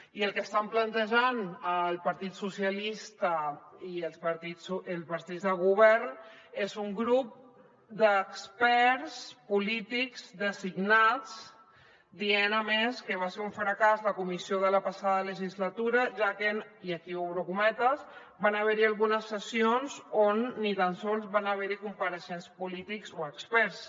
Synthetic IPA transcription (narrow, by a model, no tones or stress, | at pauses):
iəlˠkəst̪amplənt̪əʒanəlˠpəɾt̪it̪susiəlist̪əiəlˠspəɾt̪islˠpəɾt̪id͡zzðəɣuβɛɾnezuŋɡɾup̚ | d̪əkspɛɾspulit̪ikz̥d̪əziɡnat͡s | d̪ienəmeskəβ̞aseuɱfɾəkazləkumisioðələpasaðələʒizlət̪uɾəʒakeniəkiowɾokumɛt̪əz | banəβɛɾialˠɣunəsːəsionzonːit̪ansonzβanəβ̞ɛɾikumpəɾəʃenspulit̪ikzoəkspɛɾs